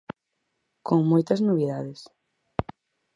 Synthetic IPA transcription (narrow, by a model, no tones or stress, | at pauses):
koŋmojt̪ɐznoβiðaðes